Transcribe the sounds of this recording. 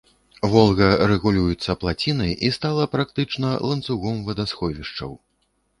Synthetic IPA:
vɔlˠɣɐɾɛɣulʲujut̪sːɐplˠat͡sʲinɐjist̪alˠɐpɾak̚t̪ɨt͡ʂnɐlˠɐnt̪suɣɔmvɐd̪asxɔvʲiʂt͡ʂɐ̰w

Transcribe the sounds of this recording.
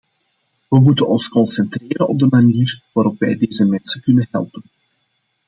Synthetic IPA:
ʋəmutənɔnskɔnsɛnt̪reːɾənɔb̚dəmaniːrʋaːɾɔpʋɛ̰jdeːzəmɛnsəkɵnənɦɛ̰lˠpən

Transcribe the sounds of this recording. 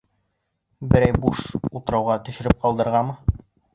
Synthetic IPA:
bɘ̆ɾæjbuʃulˠt̪ɤ̆ɾɑwʁɑt̪ɵ̆ʃɘ̆ɾɘp̚qɑlˠd̪ɤ̆ɾʁɑmɤ

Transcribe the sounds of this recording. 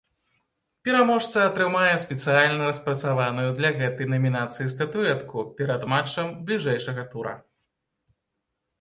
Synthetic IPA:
pʲɛɾamɔʂt̪sɐɐt̪ɾɨmajɛspʲɛt̪sɨjalʲnɐɾɐspɾɐt̪savanujud̪lʲɐɣɛt̪ɐjnɐmʲinat̪sɨjist̪ɐt̪uɛt̪kupʲɛɾɐd̪mat͡ʂːɐmblʲiʐɛjʂɐɣɐt̪uɾɐ̰

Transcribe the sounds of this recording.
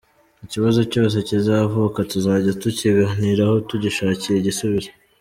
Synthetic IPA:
iciβazo̞co̞ːs̬e̞cizavokatuzaːɟatuciɡaniɾaho̞tuɟiʃaːciɾeiɟisuβiɾe

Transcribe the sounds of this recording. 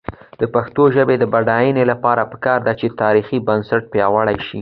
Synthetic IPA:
d̪̥əpaxt̪oʒəbed̪əbaɖɑjənelapɑɾapə̥kɑɾd̪at͡ʃet̪ɑɾixibansaʈ̚pjɑwəɽajʃi

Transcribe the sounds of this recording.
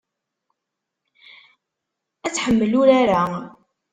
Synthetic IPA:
æt͡sːħəmːəlʊɾaɾa

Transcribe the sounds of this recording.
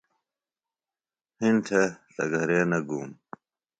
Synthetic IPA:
hintʰet̪ɐ̰ɡʱɐɾeːnɐɡuːm

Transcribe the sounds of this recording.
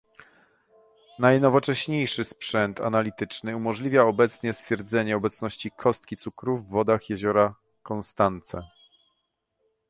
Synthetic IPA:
najnɔvɔt͡ʂɛɕɲejʂɘspʂɛnt̪a̰nalʲit̪ɘt͡ʂnɘumɔʐlʲivʲjaɔbɛt̪sɲɛst̪fʲjɛɾd̪zɛɲɛɔbɛt̪snɔɕt͡ɕikʰɔst̪̚kʲit̪sukɾuvːɔd̪axjɛʑɔɾa | kɔnst̪ant̪sɛ

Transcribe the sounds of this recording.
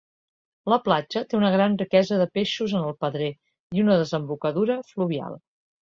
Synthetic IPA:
ləplad͡ʒət̪eunəɣɾanrikɛzəðəpeʃuzənəlˠpəðɾɛ | iunəðəzəmbukəðuɾəfluβia̰lˠ

